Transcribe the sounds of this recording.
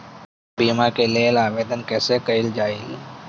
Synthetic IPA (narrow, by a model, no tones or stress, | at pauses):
biːmakeleːlaːʋeːd̪ənkɛːsekəɪld͡ʒaːɪl